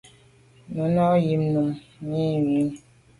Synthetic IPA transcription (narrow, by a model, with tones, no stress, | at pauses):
nu˨nɔ˦ji˨mnu˨mɲi˦wi˦n